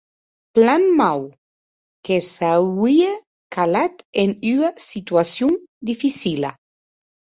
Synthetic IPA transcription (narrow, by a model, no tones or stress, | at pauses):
planmaw | kesaia | kʰalat̪enyasit̪yasjund̪ifisila